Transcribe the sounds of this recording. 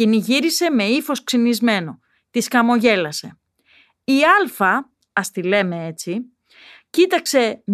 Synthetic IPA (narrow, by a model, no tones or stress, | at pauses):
iniʝiɾise̞me̞ifo̞sksinizme̞no̞ | t̪iskɐmo̞ʝe̞lɐse̞ | iɐlfɐ | ɐst̪ile̞me̞e̞t͡si | cit̪ɐkse̞